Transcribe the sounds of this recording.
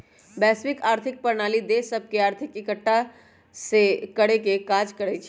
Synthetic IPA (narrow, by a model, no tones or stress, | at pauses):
bɛːsʋɪkaːɾt̪ʰɪk̚pəɾnaːlid̪esəb̚ʱkeaːɾt̪ʰɪkɪkəʈːa | sekəɽekekaːd͡ʒkəɾɛt͡ʃʰ